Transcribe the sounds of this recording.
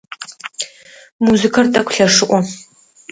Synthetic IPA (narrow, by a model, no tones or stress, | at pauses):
muzɨkʰɐrtʼɐkʷʰʼɬɐʂɨʔʷɔ